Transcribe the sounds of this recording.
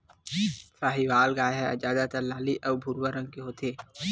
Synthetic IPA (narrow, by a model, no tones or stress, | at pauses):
saːɦiʋaːlɡaːjɦɛd͡ʒaːd̪at̪ɐɾlaːliʔɔːɾbʱʊɾwaɾə̃ŋɡ̚keɦoːt̪ʰeː